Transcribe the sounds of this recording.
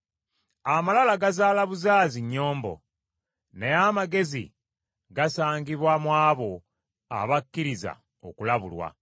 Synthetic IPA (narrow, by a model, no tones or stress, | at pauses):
amalalaɡazaːlaβuzaːziɲːo̞ːmbo̞̰ | neamaɡe̞zḭ | ɡasaːŋɡiβwamwaːβo̞ | a̰βakːiɾiza̰ | okulaβulwa̰